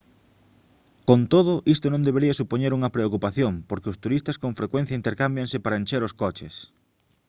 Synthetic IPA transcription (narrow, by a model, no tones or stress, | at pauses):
kont̪oð̞ʊʔist̪ʊnõnd̪eβ̞eɾiɐsupoɲeɾuŋɐpɾeokupaθjoŋpoɾkeʊst̪uɾist̪ɐskõɱfɾekwen̟θjɐint̪eɾkambjaŋsɪpaɾɐenʲt͡ʃeɾoskɔt͡ʃɪs